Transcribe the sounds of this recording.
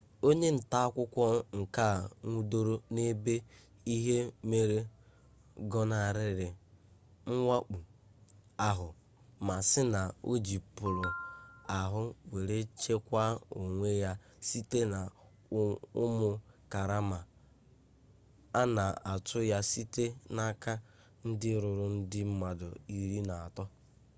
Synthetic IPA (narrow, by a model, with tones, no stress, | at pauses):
o˦ɲe˦n̩˨ta˦a˦kʷʊ˦kʷɔ˦ŋ̩˨ka˦˨ŋʷu˦do˦ɾo˦ne˦be˦ | i˦ɦe˦me˦ɾe˦ | ɡɔ˦na˨ɾɪ˦ɾɪ˨ | ŋ̩˦ŋʷa˦k͡pu˨ | a˨ɦʊ˨ | ma˨sɪ˦na˨o̰˦d͡ʒi˨pʊ˨ɾʊ˨a˨ɦʊ˦we˨ɾe˦t͡ʃe˦kʷa˦o˨ŋʷe˦ja˦ | si˦te˦na˨ | ʊ̰˦mʊ˨ka˨ɾa˦ma˨ | a˦na˨a˨tʰʊ˦ja˦si˦te˦na˦ka˦ | n̩˦dɪ˦ɾʊ˨ɾʊ˦n̩˦dɪ˦m̩˦ma˨dʊ˨i˨ɾi˦na˨a˨tɔ˦